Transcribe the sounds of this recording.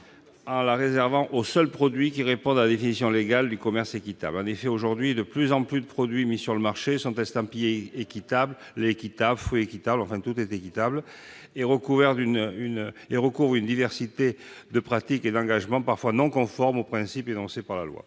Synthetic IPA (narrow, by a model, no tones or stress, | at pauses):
ɑ̃laʁezɛʁvɑ̃ʔosœlpχɔd̪ɥik̬iʁepɔ̃d̪alad̪efinisjɔ̃leɡald̪ykɔmɛʁsekit̪a̰blɑ̃nefɛoʒuʁd̪ɥid̪əplyzɑ̃plyd̪əpχɔd̪ɥimisyʁləmaʁʃesɔ̃t̪ɛ̃st̪ɑ̃pijeekit̪abl | lːkit̪ablfyekit̪ablɑ̃fɛ̃t̪ut̪ɛt̪ekit̪abl | eʁəkuvɛʁt̪ynyneʁəkuvʁynd̪ivɛʁsit̪ed̪əpχat̪iked̪ɑ̃ɡaʒmɑ̃paʁfwanɔ̃kɔ̃fɔʁmopχɛ̃sipenɔ̃sepaʁlalwa̰